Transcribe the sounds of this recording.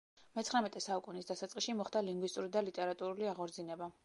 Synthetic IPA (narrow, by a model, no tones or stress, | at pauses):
mɛt̪sʰχɾamɛt̪ʼɛsaukʼunisd̪asat̪sʼqʼiʃimɔχd̪aliŋɡwist̪ʼuɾid̪alit̪ʼɛɾat̪ʼuɾuliaʁɔɾd̪zinɛba